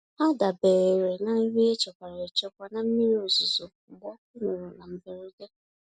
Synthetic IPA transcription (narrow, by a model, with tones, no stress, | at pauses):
a˦da˨be˨ɾe˨ɾe˨na˨˦ɾi˦e˦t͡ʃɔ˨kʷa˨ɾa˨ɾe˨t͡ʃɔ˦ba˨na˨m̩˦mi˦ɾi˦o˨zʊ˨zo˨ɡ͡bɔ˦kʊ˦nʊ˨ɾʊ˨na˨m̩˨be˨ɾi˦de˦